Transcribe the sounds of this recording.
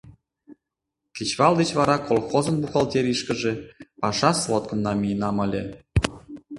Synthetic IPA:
kʲit͡ɕβɑlˠd̪et͡ɕβɑɾɑkolˠxozɤ̆nbuxɑlˠt̪ʲeɾiʃkə̆ʒĕpɑʃɑslˠot̪̚kɤ̆nːɑmʲijnɑmɤ̆lʲĕ

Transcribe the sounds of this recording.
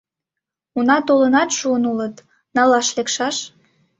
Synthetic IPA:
unɑt̪olənɑt̪ʃuənulət̪ | nɑlɑʃlekʃɑʃ

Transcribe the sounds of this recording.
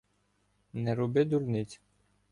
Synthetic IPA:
nɛɾɔbɪd̪uɾnɪt͡sʲ

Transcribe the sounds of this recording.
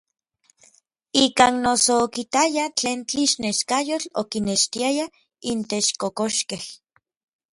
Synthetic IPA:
ikaːnnosoːkit̪ajat͡ɬeːnt͡ɬiʃneʃkajot͡ɬokineʃt̪iaja | int̪eʃkokoʃkeh

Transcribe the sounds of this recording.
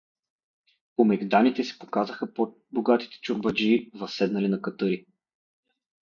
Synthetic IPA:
omɛɡd̪anit̪ɛsɛ̥pokazəxəp | boɡat̪i̥t̪ɛ̥t͡ʃʊɾbɐd͡ʒivɐsːɛd̪nɐlinɐkɐt̪ɤɾi

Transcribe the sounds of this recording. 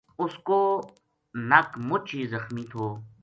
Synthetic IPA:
ʊskoː | nɐkmʊt͡ʃʰiːzɐxmiːt̪ʰoː

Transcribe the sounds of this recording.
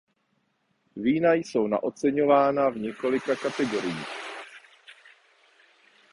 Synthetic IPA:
viːnajso̞wna̰ʔo̞t͡sɛɲo̞vaːnavɲɛko̞lɪkakat̪ɛɡo̞ɾɪjiːx

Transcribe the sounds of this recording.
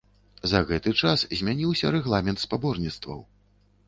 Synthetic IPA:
zɐɣɛt̪ɨt͡ʂaszʲmʲanʲiwsʲɐɾɛɣlˠamʲɛnt̪spabɔrnʲit̪st̪vɐ̰w

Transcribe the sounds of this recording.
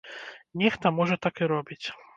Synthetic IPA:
nʲɛxt̪ɐmɔʐɐt̪akiɾɔbʲit͡sʲ

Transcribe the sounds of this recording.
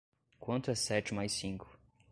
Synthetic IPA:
kwɐ̃nt̪ʊɛsɛt͡ʃɪmajsĩŋkʰʊ̥

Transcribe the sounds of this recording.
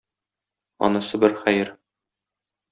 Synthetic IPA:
ɒ̰nɤ̆sɤbɘɾχæjɘɾ

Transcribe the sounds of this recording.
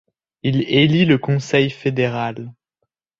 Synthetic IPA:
ileliləkɔ̃sɛjfed̪eʁal

